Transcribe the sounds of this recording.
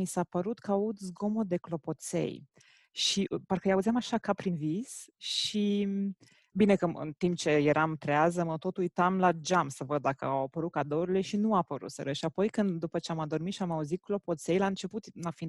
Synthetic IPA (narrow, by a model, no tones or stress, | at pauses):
misapəɾut̪kəaut̪zɡo̞mod̪e̞klo̞po̞t̪sḛj | ʃiʔparkəjauzʲamaʃakapɾinvisʃi | bine̞kəɨ̰nt̪imp̚t͡ʃe̞je̞ɾamt̪ɾeazəmət̪o̞t̪ujt̪amlad͡ʒamsəvəd̪̚ːakəawapəɾut̪̚kad̪o̞ɾile̞ʃinuapəɾṵt̪sə̰ɾəʃiapo̞jkɨnd̪ːupət͡ʃeamad̪o̞rmit̪ʃiamauzit̪̚klo̞po̞t̪se̞jlaɨnt͡ʃe̞put̪nafin